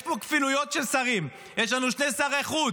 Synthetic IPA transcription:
pokfinujo̞t̪ʃelsaʁim | jeʃlanuʃne̞saʁeχu

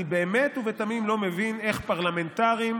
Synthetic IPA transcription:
ibeːme̞t̪uvetamimlo̞mevine̞χpaʁlame̞nt̪aʁim

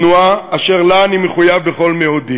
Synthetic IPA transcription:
nuaaʃeʁlaːnimeχujavbeχo̞lmeod̪i

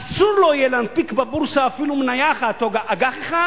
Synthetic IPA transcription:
asuɾlojelanpikbabuɾsaːfiluminajaχat̪oɡaʔaɡaχeχa

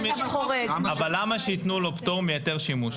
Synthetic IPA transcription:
oʁeabalamaʃeit̪nuloptoʁmijate̞ʁʃimuʃ

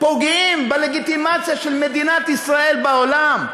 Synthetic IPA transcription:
poɡimbeleɡit̪imat͡sjaʃelmed̪inat̪isʁae̞lbaolam

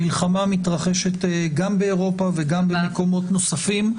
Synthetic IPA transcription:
ilχamamit̪ʁaχe̞ʃet̪ɡambeːʁo̞paveɡambemeko̞mo̞tno̞safim

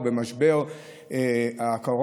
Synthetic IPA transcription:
bemaʃbe̞ʁ | eakaʁ

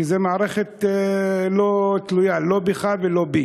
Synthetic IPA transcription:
izemaaɾeχet̪ | lot̪lujalo̞biχavelo̞bi

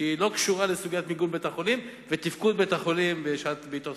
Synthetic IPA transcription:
ilo̞kʃuʁalesuɡijat̪miɡunbet̪aχo̞lim | vet̪ifkud̪̚bet̪aχolimbeʃat̪beit̪o

